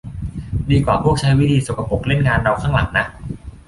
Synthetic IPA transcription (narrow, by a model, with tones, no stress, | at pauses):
diː˧kwaː˨˩pʰu˥˩ək̚t͡ɕʰa˦˥jwi˦˥˩t̪ʰiː˧so˨˩kʰa˧po˨˩k̚le˥˩nŋaː˧nɾa˧wkʰaː˥˩ŋla̰˨˩˦ŋna˦˥ʔ